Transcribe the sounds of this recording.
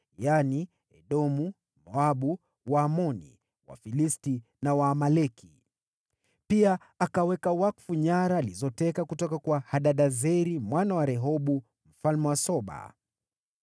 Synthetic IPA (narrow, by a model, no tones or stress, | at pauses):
jani | ɛɗɔmu | mɔaɓu | waːmɔnḭ | wa̰filisti | nawaːmalɛkʰi | pia | akawɛkawakfuɲaɾaːlizɔtɛkakutɔkakwahaɗaɗazɛɾimwanawaɾɛɦɔɓu | m̩falmɛwasɔɓa̰